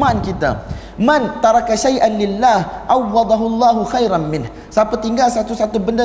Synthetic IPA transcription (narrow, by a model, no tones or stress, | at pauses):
aankit̪a̰ | mant̪ɑɾˤɑkaʃajʔanlɪlːaːhʔawːɑd̪ˤaɦulˤːɑːɦuxajɾanmɪnh | sapat̪iŋɡalsat̪usat̪ubənda